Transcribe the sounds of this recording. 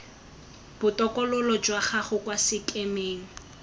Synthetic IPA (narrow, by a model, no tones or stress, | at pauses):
b̥ʊtɔkʼɔlɔlɔd͡ʒwaχaχʊkwasɪkʼemeːŋ̩